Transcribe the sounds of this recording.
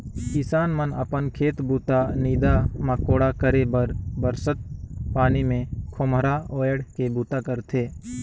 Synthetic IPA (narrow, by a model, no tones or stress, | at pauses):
kɪsaːnmənə̰pənkʰeːt̪buːt̪aniːd̪aməkoːɽakəɾebəɾbəɾsət̪̚paːnimẽkʰomɾaoːjəɽkebuːt̪akəɾt̪ʰeː